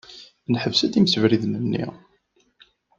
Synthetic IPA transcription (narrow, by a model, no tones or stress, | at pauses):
nħəvsæθiməsəvɾiðnənːḭ